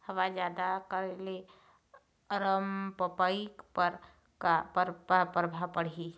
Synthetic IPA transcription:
həʋad͡ʒaːd̪akəɾele | əɾəmpəpaikpəɾ | kapəɾpəpəɾbʱapəɽ̤i

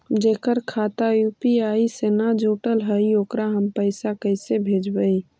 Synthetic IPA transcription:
d͡ʒekəɾkʰat̪ajupiaisenad͡ʒuʈəlɦəioːkɾaɦəmpəɪsakəɪsebʱed͡ʒbəi

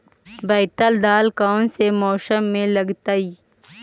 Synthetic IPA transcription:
bɐjt̪əld̪aːlkaːnsemɔːʃəmːẽlɐɡt̪aiː

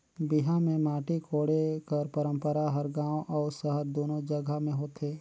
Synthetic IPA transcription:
bɪɦãmẽmaːʈikʰoːɽekəɾpəɾə̃mpəɾaɦəɾɡãːõʔɔːɾsəɦəɾd̪oːnod͡ʒəɡʱəmẽɦoːt̪ʰeː

